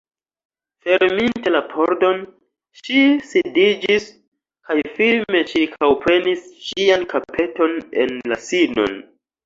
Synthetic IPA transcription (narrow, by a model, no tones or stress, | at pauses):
fe̞ɾminte̞lapʰo̞ɾdo̞n | ʃisidid͡ʒis | kajfilme̞t͡ʃiɾkʰawpɾe̞nisʃiankapʰe̞to̞ne̞̰nlasino̞̰n